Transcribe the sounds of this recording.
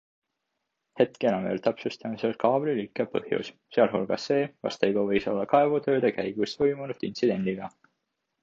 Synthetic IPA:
he̞t̪kenɑmḛlt̪æpsust̪ɑmiselkɑːbrilikːˑɑpɤ̰hjṵsseɑlɦulɡ̥ɑsːe̞ːkɑ̰st̪ejɡovɤ̞jso̞lːɑkɑevut̪ø̞ːd̪̥ekæjɡ̥ust̪vojmunud̪̥insid̪̥e̞nd̪iɡ̥ɑ

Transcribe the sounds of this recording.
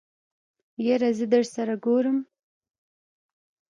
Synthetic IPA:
jeɾazid̪əʐsaɾaɡoɾəm

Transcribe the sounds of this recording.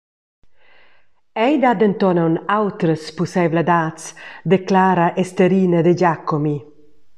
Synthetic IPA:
ɛjd̪ad̪ent̪ɔnawnawt̪ɾəspusɛbled̪aːtt͡sd̪eklaːɾaʔest̪eɾiːnəd̪eɟakːomi

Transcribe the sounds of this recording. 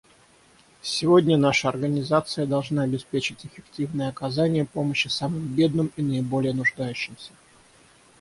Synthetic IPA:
sʲɪvo̞dʲnʲənaʂəɐrɡənʲɪzat̪sɨjəd̪ɐlˠʐnaɐbʲɪspʲet͡ɕɪtʲɪfʲɪktʲivnɨjəɐkɐzanʲɪjəpo̞məɕːɪsamɨmbʲe̞d̪̚nɨminəɪbo̞lʲɪjənʊʐd̪ajʉɕːɪmsʲə̥

